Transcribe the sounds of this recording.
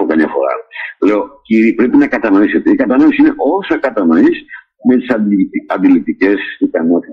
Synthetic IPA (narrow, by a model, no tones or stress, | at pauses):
okɐmɲɐfo̞̰ɾɐ̰le̞o̞ciɾipɾe̞pinɐkɐt̪ɐno̞ise̞t̪eikɐt̪ɐno̞isine̞ʔo̞sɐkɐt̪ɐno̞is | me̞t̪i̥sɐnd̪ilit̪ice̞sikɐno̞t̪i